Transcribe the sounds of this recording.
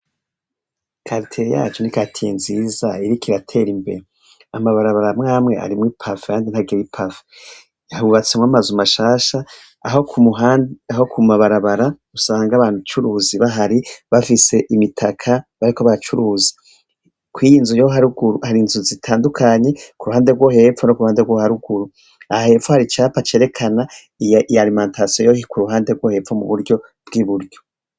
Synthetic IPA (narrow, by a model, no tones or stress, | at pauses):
kʰaɾtʰeɾja̰ːt͡ʃonikatʰijenziːzaiɾikiɾatʰe̞ːɾimbe̞̰ɾe | amaβaɾaβaɾamŋaːmŋe̞a̰ɾimŋipʰafe̥kaːndinhaɡewipʰafe̥ | uβat͡semwamazumaʃaːʃaː | ɦokuuaaɦo̞kʰumaβaɾaβaɾa | usaːŋɡaβaːnut͡ʃuɾuːziβaɦaɾiβafise̞ʔimitʰakʰaβaɾikoβaat͡ʃuɾuːzi̥ | kwiːjiːnzujoɦaɾuɡuɾuhaɾinzuzitʰaːndukʰaɲe̞kuɾuhaːndeɾɡwo̞ːɦe̞p̪fonokuɾuhaːndeɡwohaɾuɡuɾu | ahahe̞fohaɾit͡ʃaːpat͡ʃe̞ːɾe̞kʰana | iijalimãːntasijojoːhikuɾuɦaːnde̞ɾɡwo̞he̞ːfomuβuɾɟo̞ | b̥ɡiβuɾɟo̞